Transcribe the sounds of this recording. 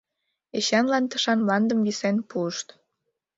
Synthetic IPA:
eɕɑnlɑnt̪ə̥ʃɑnmlɑnd̪əmβisenpuəʃt̪

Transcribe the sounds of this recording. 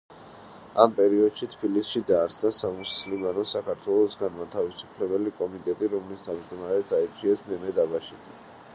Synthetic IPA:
ampʼɛɾiɔd̪̥ʃit̪ʰbilisʃid̪aːɾsʰnasamuslimanɔsakʰaɾt̪ʰwɛlˠɔsɡanmat̪ʰavisu̥pʰlɛbɛlikʼɔmit̪ʼɛt̪ʼiɾɔmlist̪ʰamd͡ʒd̪ɔmaɾɛt̪sʰaiɾt͡ʃʰiɛsmɛmɛd̪abaʃid̪zɛ

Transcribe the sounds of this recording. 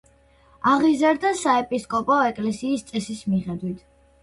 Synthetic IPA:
aʁizaɾd̪asaɛpʼiskʼɔpʼɔɛkʼlɛsiːst̪sʼɛsismiχɛd̪wit̪ʰ

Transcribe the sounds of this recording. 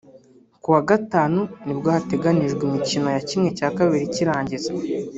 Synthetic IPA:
kuwaɡataːnunibɡohate̞ɡaniʒɡwimicino̞jacimŋe̞caːkaβiɾiciɾaːɲɟiza

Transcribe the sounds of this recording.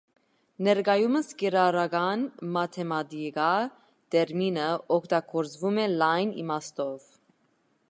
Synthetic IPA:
nɛɾɡɑjuməskɛɾɑɾɑɡɑnmɑt̪ʰɛmɑt̪iɡɑ | t̪ɛɾminəʔɔkʰt̪ɑɡɔɾd͡zvumɛlɑjnḭmɑst̪ɔv

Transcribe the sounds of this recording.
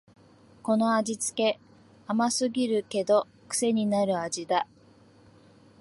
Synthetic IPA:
ko̞no̞aʑit͡sɨ̥ke̞ | amasɨɡʲiɾɯ̟ke̞d̪o̞ | kɯ̟̥se̞ɲ̟inaɾɯ̟ad͡ʑid̪a

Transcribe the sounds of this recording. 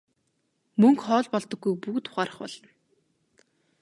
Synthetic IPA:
mɵŋkχɔːɮpɔɮt̪ɞ̆ɡːujpukt̪ʰʊ̥χaːɾə̆χpɔ̰ɮ̥ɞ̆n

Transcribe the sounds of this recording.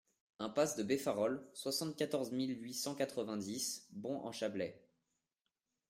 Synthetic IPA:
ɛ̃pasd̪əbefaʁɔlswasɑ̃t̪̚kʲat̪ɔʁzmilɥisɑ̃kat̪χəvɛ̃d̪isbɔ̃ʔɑ̰̃ʃablɛ

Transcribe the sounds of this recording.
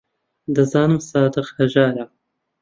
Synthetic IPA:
d̪ɐzaːnɨmsaːd̪ɨqhɐʒaːɾɐ

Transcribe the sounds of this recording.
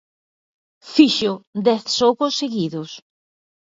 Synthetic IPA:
fiʃʊd̪ɛθsokosseɣiðʊs

